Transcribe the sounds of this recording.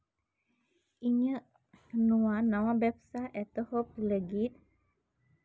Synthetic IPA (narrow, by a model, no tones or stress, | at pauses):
iɲə | nuwanawabɛp̚saʔɛt̪əhop̚uləɡit̪̚